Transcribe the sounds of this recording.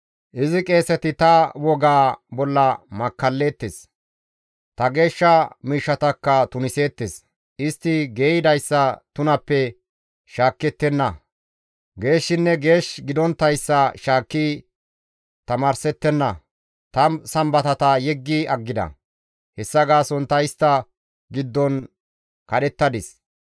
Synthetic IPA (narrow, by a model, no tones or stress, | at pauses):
ʔɪzɪkʼe̞ːsɛt̪ɪt̪ɐwɔɡaːbɔlːɐmɐkːɐlːe̞ːt̪ːes | t̪ɐɡe̞ːʃːɐmiːʃːɐt̪ɐkːɐt̪ʊnɪse̞ːt̪ːes | ʔɪst̪ːɪɡeːɪd̪ɐjsːɐt̪ʊnɐpːɛ | ʃaːkːɛt̪ːɛnːɐ | ɡe̞ːʃːɪnːɛɡe̞ːʃɡɪd̪ɔnt̪ːɐjsːɐʃaːkːi | t̪ɐmaːɾsɛt̪ːɛnːɐ | t̪ɐsɐmbɐt̪ɐt̪ɐjɛɡːɪɐɡːɪd̪ɐ̰ | hɛsːɐɡaːsɔnt̪ɐjɪst̪ːɐ | ɡɪd̪ːɔn | kɐɗɛt̪ːɐd̪ɪs